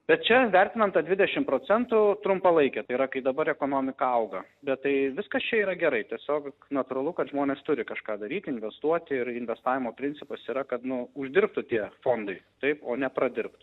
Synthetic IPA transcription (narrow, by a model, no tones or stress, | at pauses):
bʲɛt̪̚t͡ʃʲɛʋʲæɾʲt̪ʲɪnɐmt̪ɑd̪ʲʋʲɪd̪ʲɛʃʲɪmpɾoːt͡sʲɛnt̪ʊt̪ɾʊmpɐlˠɐɪkʲɛt̪ɐɪiɾɐkɐɪd̪ɐbɐɾɛkoːnoːmʲɪkɐɐʊɡɐbʲɛt̪t̪ɐɪʋʲɪskɐst͡ʃʲɛiːɾɐɡʲɛɾɐɪt̪ʲiɛsʲoːknɐt̪ʊɾɐlˠʊkɐt̪ʒmoːnʲeːst̪ʊɾʲɪkɐʃkɑːd̪ɐɾʲiːt̪ʲɪnʲʋʲɛst̪uɔt̪ʲɪɾɪnʲʋʲɛst̪ɑːʋʲɪmoːpʲɾʲɪnʲt͡sʲɪpɐsiːɾɐkɐt̪nʊʊʒʲd̪ʲɪɾp̚t̪ʊt̪ʲiɛfoːnd̪ɐɪt̪ɐɪpoːnʲɛpɾɐd̪ʲɪɾp̚t̪